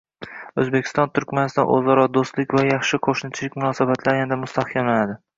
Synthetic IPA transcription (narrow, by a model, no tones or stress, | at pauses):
ɵzbekʲʰɪst̪ɒnt̪ʰʊɾkʲmanɪsɪt̪ɒnʔo̰zaɾɒd̪ost̪lɪkʲvajɑχʃɪqʰoʃnɪt͡ʃʰɪlɪkʲmʊnɒːsabat̪ʰlaɾjand̪amʊst̪ʰahkʲʰamlanad̪ɪ